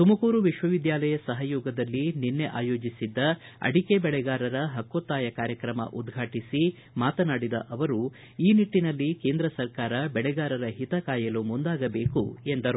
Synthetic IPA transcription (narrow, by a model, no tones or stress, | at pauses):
t̪umɐkuːɾuʋiʃʋɐʋid̪jaːlɐjɐsɐɦɐjoːɡɐd̪ɐlːininːe̞ʔa̰ːjo̞ːd͡ʒisid̪ːɐ | ɐ̰ɽikebɛɭɛɡaːɾɐɾɐɦɐkːoːt̪ːaːjɐkaːɾjɐkɾɐmɐ̰ʔud̪ɡʱaːʈisi | maːt̪ɐnaːɽid̪ɐ̰ʔɐʋɐɾu | iːniʈːinɐlːike̞ːnd̪ɾɐsɐɾkaːɾɐbɛɭɛɡaːɾɐɾɐɦit̪ɐkaːjɐlumund̪aːɡɐbe̞ːkṵe̞nd̪ɐɾu